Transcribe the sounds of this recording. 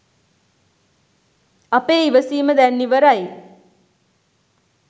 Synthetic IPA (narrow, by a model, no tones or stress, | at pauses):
apeːiʋəsiːməd̪ænːiʋəɾaj